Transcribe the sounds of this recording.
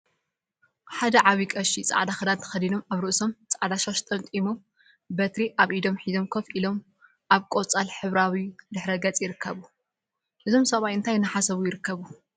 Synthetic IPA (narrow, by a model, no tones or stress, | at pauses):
ħad̪ɐʕaβikʼɐʃit͡sʼa̰ʕd̪axɐd̪ant̪ʰɐ̥xɐd̪ino̞maβɾɨʔuso̞mt͡sʼaʕd̪aʃaʃt̪ʼɐnt̪ʼimo | bɐt̪ɾiʔaβʔid̪o̞mħid̪o̞mkʰofʔilo̞m | ʔaβkʼot͡sʼalħɨβɾawid̪ɨħɾɐɡɐt͡sʼjɪɾɨkʰːɐβu | ʔɨzo̞msɐβajɨnt̪ʰajnɨħasɐβujɪɾɨkʰːɐβu